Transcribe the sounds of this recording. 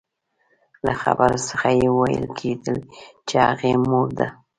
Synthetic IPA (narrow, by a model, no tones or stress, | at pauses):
laxa̰baɾosəxajewajə̰lkʰed̪əlt͡ʃehaɣemoɾd̪a